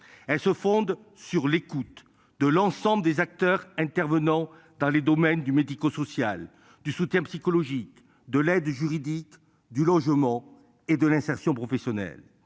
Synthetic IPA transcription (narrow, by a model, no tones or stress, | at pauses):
ɛlsəfɔ̃d̪ | syʁlekut̪ | d̪əlɑ̃sɑ̃bləd̪ezak̚t̪œʁɛ̃t̪ɛʁvənɑ̃ | d̪ɑ̃led̪ɔmɛnd̪ymed̪ikosɔsjal | d̪ysut̪jɛ̃psikɔlɔʒik | d̪əlɛd̪ʒyʁid̪ik | d̪ylɔʒmɑ̃ | ed̪əlɛ̃sɛʁsjɔ̃pχɔfesjɔnɛ̰l